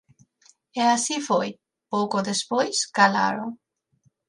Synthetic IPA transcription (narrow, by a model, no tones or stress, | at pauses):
easifoj | powkoðespojskala̰ɾo